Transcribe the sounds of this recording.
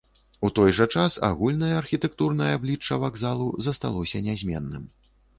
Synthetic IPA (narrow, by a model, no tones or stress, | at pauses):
ut̪ɔjʐɐt͡ʂasa̰ɣulʲnɐjɐːrxʲit̪ɛk̚t̪urnɐjɐablʲit͡ʂːɐvaɡzalˠuzɐst̪alˠɔsʲɐnʲazʲmʲɛ̰nːɨ̰m